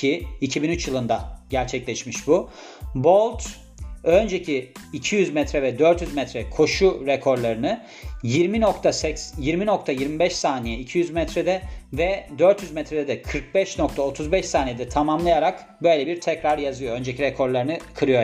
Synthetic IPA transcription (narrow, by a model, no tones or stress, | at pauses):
cʰiːcʰibinyt͡ʃjɯlˠɯnd̪aɟæɾt͡ʃʰɛclʲɛʃmiʃbu | bo̞lˠt̪ | ø̞nd͡ʒecʰiːcʰijyzmɛt̪ɾɛvɛd̪ø̞ɾt̪jyzmɛt̪ɾɛkʰo̞ʃuɾɛkʰo̞ɾlˠaɾɯnɯ | jiɾminokt̪ʰasɛsjiɾmino̞kt̪ʰajiɾmibɛʃsaːnijɛicʰijyzmɛt̪ɾɛd̪ɛvɛd̪ø̞ɾt̪jyzmɛt̪ɾɛd̪ɛd̪ɛkʰɯɾk̚bɛʃnok̚t̪ʰaot̪ʰuzbɛʃsaːnijɛd̪ɛt̪ʰamamlˠajaɾak | bø̞jlʲɛbiɾt̪ʰɛcɾaɾjazɯjo̞ø̞nd͡ʒɛciɾɛkʰo̞ɾlˠaɾɯnɯkʰɯɾɯjo